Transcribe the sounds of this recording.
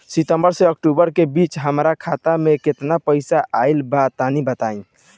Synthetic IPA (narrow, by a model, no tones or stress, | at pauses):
sit̪əmbəɾseək̚ʈubəɾkebit͡ʃɦəmɾakʰat̪ameket̪napəɪsaʔaɪlbat̪anibət̪aĩ